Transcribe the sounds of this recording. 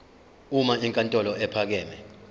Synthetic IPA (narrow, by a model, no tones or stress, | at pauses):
umaiŋkʼantʼɔlɔɛpʰak̬ɛːmɛ